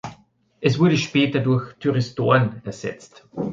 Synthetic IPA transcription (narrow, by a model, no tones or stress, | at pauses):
ʔɛsv̥ʊɐɾəʃpɛːtɐdʊɐçtʰyʁɪsto̰ːɐnɛɐz̥ɛ̰t͡st